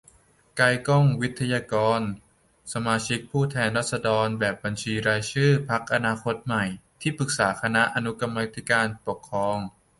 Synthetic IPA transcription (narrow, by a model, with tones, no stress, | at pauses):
ka˧jkɔ˥˩ŋwi˦˥t̪ʰːa˧jaː˧kɔː˧n | sa˧maː˧t͡ɕʰi˦˥k̚pʰuː˥˩t̪ʰɛː˧nɾa˦˥t̪̚sa˧dɔː˧nbɛː˨˩p̚ba˧nt͡ɕʰiː˧ɾaː˧jt͡ɕʰɯː˥˩pʰa˦˥k̚ʔa˧naː˧kʰo˦˥t̪̚ma˨˩jt̪ʰiː˥˩pɯ˨˩k̚saː˩˦xʰa˧na˦˥ʔa˧nu˦˥ka˧mːa˧˥t̪ʰi˦˥kaː˧npo˨˩kʰːɾɔː˧ŋ